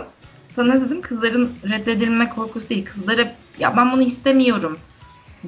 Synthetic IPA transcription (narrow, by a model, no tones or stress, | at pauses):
sanad̪ed̪imkʰɯzlˠaɾɯnɾɛd̪ːed̪ilʲmɛkʰo̞ɾkʰusud̪iilʲkʰɯzlˠaɾɯ | ja̰bænbunuɦist̪ʰemijo̞ɾum